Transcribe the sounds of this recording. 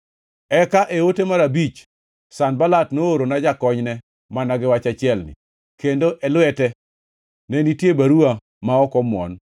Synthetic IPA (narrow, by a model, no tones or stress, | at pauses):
ɛkaʔewotemaɾabit͡ʃ | sanbalatnooɾonad͡ʒakɔɲnɛ | manaɡɪwat͡ʃat͡ʃɪɛlnɪ̰ | kendoʔɛlwɛtɛ | nɛnitjebaɾua | maɔkɔmɔ̰n